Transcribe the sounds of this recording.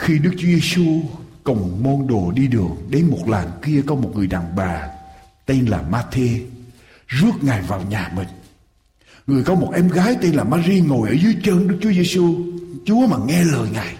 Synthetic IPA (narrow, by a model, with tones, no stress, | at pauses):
xi˧ɗɨ˦˥k̚t͡ɕu˨˦ze˧su˧kʊ˨˩wŋ͡mmɔ˧nɗo˨˩ɗi˧ɗɨ˨˩əŋ̚ɗe˨˦nmo˨˩t̚la̰ː˨˩nki˧əkɔ˨˦mo˨˩t̚ŋɨ˨˩əjɗa̰ː˨˩ŋɓaː˨˩ | t̪e˧nla̰ː˨˩maː˧t̪ʰe˧ | zɨ˦˥ək̚ŋa˨˩jvaː˨˩wɲaː˨˩mï˨˩ŋ̟ | ŋɨ˨˩əjkɔ˨˦mo˨˩t̚ʔɛ˧mɣaː˨˦jt̪e˧nlaː˨˩maː˧zi˧ŋo˨˩jʔəː˧˩zɨ˨˦jt͡ɕəː˧nɗɨ˦˥k̚t͡ɕu˨˦əze˧su˧t͡ɕu˨˦əmaː˨˩ŋɛ˧ləː˨˩jŋaː˨˩j